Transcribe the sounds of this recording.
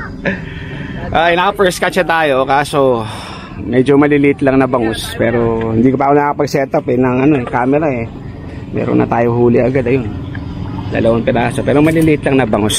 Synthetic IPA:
ʔaɪnakɐpɛɹskat͡ʃɐt̪aːjo̞kaːso̞ | mɛːd͡ʒomɐlɪlɪʔɪt̪lɐŋnɐbɐŋo̞spɛːɾo̞hɪnd̪iːkopaakonɐkɐpɐɡsɛːt̪ɐpɛnɐŋɐno̞ɛkaːmɛɾaɛ | mɛ̰ːɾo̰nʔɐ̰t̪aːjohuːlɪɐɡad̪ɐjo̞n | d̪ɐ̰lɐʔonpɛɾaːsopɛːɾomɐlɪlɪʔɪt̪lɐŋnɐbɐŋos

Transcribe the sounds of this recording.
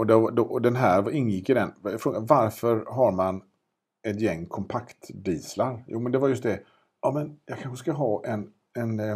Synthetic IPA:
ɔd̪ɛvd̪ɔɔd̪ɛnɦæːɾvaɪnːjɪkːɪd̪ɛnjfɾoːɡavaɾfœɾɦaɾman | ɛt̪jɛŋːkʰɔmpʰakt̪d̪iːslaɾjʔṵːmɛnd̪ɛvaɾjɵst̪̚d̪ɛ | ɑːmɛnjɑkʰanɧəskaɦɑːʔɛn | ɛn

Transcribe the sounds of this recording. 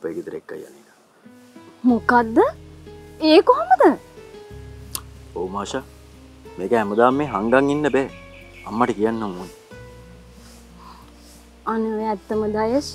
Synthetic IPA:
pəɡit̪əɾḛkːa̰ja̰neːna | mukad̪ːə | eːkoɦoməd̪ə | oːmaːʃa | meːɡəɦæməd̪aːmːeːɦaŋɡaŋːinːəbeː | ɐmːɐʈəkijanːɐmuːn | anəʋeɛt̪ːəməd̪ajəs

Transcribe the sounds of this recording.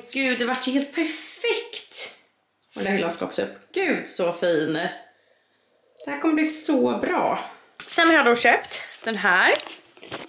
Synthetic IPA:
ɡʉ̟ːd̪ɛvaʈːjheːlt̪̚pʰæɾfɛkt̪ | ɔd̪æɾhɪlːaɔskaɔ̰ksɔɵ̰pːɡ̥ʉ̟ːd̪sɔfiːnə | d̪̥ɛhæːɾkʰɔmːəbliːsɔbɾɑ̰ː | sɛnhaɖɵɕøːpt̪d̪̥ɛnɦæːɾ

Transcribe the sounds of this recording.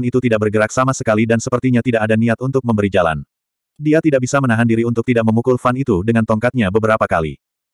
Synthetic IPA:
nit̪ut̪idaʔ̚bərɡəɾak̚samasəkalidansəpərt̪iɲat̪idaʔadaniat̪unt̪ʊk̚məmbəɾid͡ʒala̰n | diat̪idaʔbisamənaɦandiɾiunt̪ʊk̚t̪idaʔ̚məmukʊlfanit̪udəŋant̪ɔŋkat̪̚ɲabəbəɾapakalḭ

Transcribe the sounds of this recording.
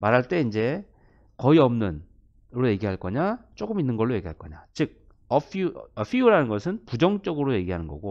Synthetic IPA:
maɾɦaɭt͈e̞ind͡ʑe̞ | kʌiʌmnɯn | ɾoje̞ɡiɦaɭk͈ʌɲat͡ɕ͈oɡɯminːɯnɡʌɭːoje̞ɡiɦaɭk͈ʌɲat͡ɕɯɡ̚ | ʌfʰʌɸʰiuɾanɯnɡʌsʰɯnpud͡ʑʌŋt͡ɕ͈ʌɡɯɾoje̞ɡiɦanɯnɡʌ̰ɡo

